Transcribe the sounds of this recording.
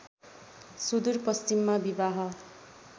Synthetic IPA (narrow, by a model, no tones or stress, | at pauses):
sud̪urpʌst͡ʃimːabibaɦʌ